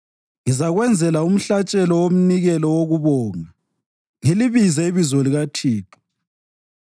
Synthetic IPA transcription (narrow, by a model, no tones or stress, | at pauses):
ŋizaɣwɛnd͡zʱɛlaum̩ɬat͡ʃʼɛlɔwom̩niɣɛlɔwoɣuβɔːŋa | ŋeliβizɛiβizɔliɣatʰiːpʰɔ̥